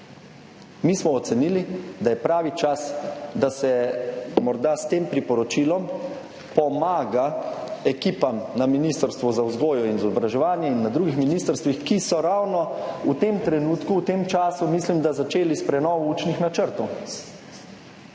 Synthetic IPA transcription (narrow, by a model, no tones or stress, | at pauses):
mismɔːt̪sɛniːlid̪ajɛpɾaːʋit͡ʃasd̪asɛmɔɾd̪ast̪eːmpɾipɔɾɔt͡ʃilɔm | pɔmaːɡaɛkiːpamnaminist̪əɾst̪ʋɔzawzɡoːjɔinizɔbɾaʒɛʋaːnjɛinːad̪ɾuɡixminist̪əɾst̪ʋixkisɔɾawnɔut̪emt̪ɾɛnuːt̪kuːt̪eːmt͡ʃaːsumislimd̪azat͡ʃeːlispɾɛnɔːʋɔuːt͡ʃnixnat͡ʃəɾt̪ɔw